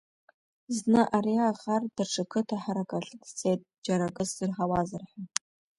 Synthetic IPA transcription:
znɨʔariaʁardɨrʈ͡ʂʰɨkʰɨtʰaħaɾakʼaɬɨkʼt͡sʰet̚ʼd͡ʒaɾakʼɨsd̥ɨrħawazɨrħan

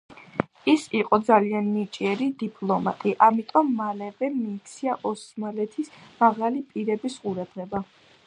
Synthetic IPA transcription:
isiqʼɔd̪zaliannit͡ʃʼiɛɾid̪ipʼlˠɔma̰t̪ʼiʔamit̪ʼɔmːalɛvɛmiːt̪t̪sʰiaʔɔsmalɛt̪ʰismaʁalipʼiɾɛbisqʼuɾad̪̥ʁɛba

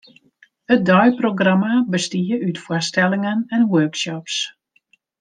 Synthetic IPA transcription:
ət̚dɔjproɡramabəstiəytfwastɛlɪŋənɛnwøːkʃɔps

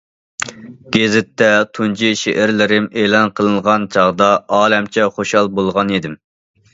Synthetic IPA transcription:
ɡ̥ʲezɪt̪ːɛt̪ʰunt͡ʃʰiʃeʔɪɾlɪɾɪmeːlˠɑnqʰəlˠɨnʁɑnt͡ʃʰɑʁd̪ɑɑːlɛmt͡ʃʰɛχoʃɑlˠbolˠʁɑnid̪ɪm

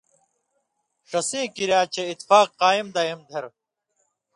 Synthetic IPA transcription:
ʂɐsĩːkiɾjaːt͡ɕʰeit̪faːqqaːimd̪ɐimd̪ʱɐɾ

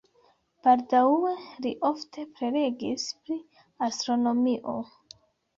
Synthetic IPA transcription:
b̥aldawueliʔo̞ftʰe̞pɾe̞ɾe̞ɡispɾi | ast̪ɾo̞no̞miʔo̞̰

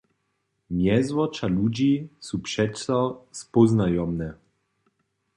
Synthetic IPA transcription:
mjɛzvɔt͡ʃalud͡ʒisupʂɛsɔspɔznajɔmnɛ

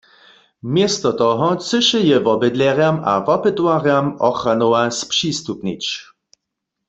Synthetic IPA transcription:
mjɛst̪ɔt̪ɔɦɔt͡səʃɛjɛvɔbɛd̪lɛʁjama̰vɔpɪt̪waʁjamɔxranowaspʂist̪upnḭt͡ʃ

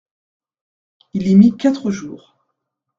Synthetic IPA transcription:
ilɛmikʲat̪χəʒuːʁ

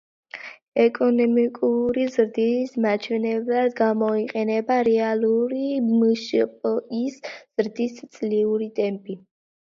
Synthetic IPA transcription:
ɛkʼɔnɔmikʼuɾizɾd̪ismat͡ʃʰwɛnɛblˠad̪ɡamɔiqʼɛnɛbaɾɛaluɾimʃpʼɔisz̥ɾd̪ist̪sʼliuɾit̪ʼɛmpʼi

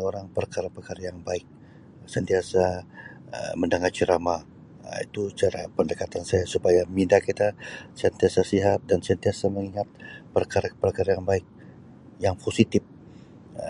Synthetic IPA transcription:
oɾaŋpərkaɾapəkaɾajaŋbaɪk̚ | sənt̪iasa | ə̰məndəŋart͡ʃəɾama̰ | ḭt̪ut͡ʃaɾa̰pəndəkat̪ansajasupajamindakit̪asant̪iasasiɦat̪̚dansaant̪iasaməŋiŋat̪̚pərkaɾapərkaɾajaŋbaɪk̚ | jaŋpʰosit̪ɪp̚

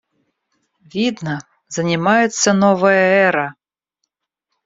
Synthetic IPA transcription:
vʲid̪nə | zɐnʲɪmajɛt̪sːɐnɔvɐjɐɛɾɐ

